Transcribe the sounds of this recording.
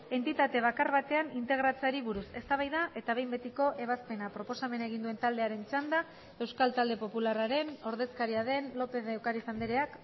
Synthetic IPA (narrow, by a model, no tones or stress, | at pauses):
e̞nt̪it̪at̪e̞β̞akarβat̪e̞anint̪e̞ɣɾat͡saɾiβuɾuse̞st̪aβ̞ajðaʔe̞t̪aβe̞jmbe̞t̪iko̞ʔe̞β̞aspe̞napɾo̞po̞same̞nae̞ɣind̪ue̞nt̪ald̪e̞aɾe̞nt͡ʃand̪a | e̞wskalt̪ald̪e̞po̞pularaɾe̞no̞ɾðe̞skaɾiaðe̞nlo̞peðewkaɾisand̪eɾe̞ak